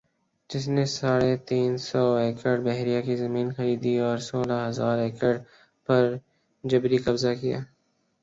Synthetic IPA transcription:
d͡ʒɪs̬nesaːɽet̪iːnsɔːeːkəɖbɛɦɾijakizɐmiːnxɐɾiːd̪iɔːɾsoːlaɦɐzaːɾeːkəɖ | pɐɾ | d͡ʒɐbɾikɐbzakija̰ː

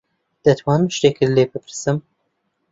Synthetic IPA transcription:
d̪̥ɐt̪ʰwɑːnɨmʃt̪ekʰɨɾleːbɨpʰɨɾsɨm

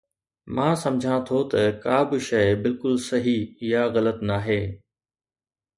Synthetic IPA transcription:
mãːsɐ̃md͡ʑʱãt̪ʰot̪ɐkaːbɪʃɐɪbɪlkʊlsɐɦiɪɦaɣɐlət̪naːɦeː

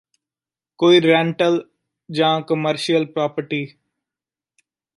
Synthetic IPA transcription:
koːiːɾɛ̃ːɳʈəl | d͡ʒãːkəməɾʃiəlpɾɔːpəɾʈiː

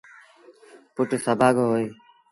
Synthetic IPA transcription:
pʊʈsəbʱaːɡoɦoːeː

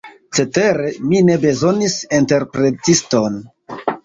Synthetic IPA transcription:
t͡se̞te̞ɾe̞mine̞be̞zo̞nisinte̞ɾpɾe̞tisto̞n

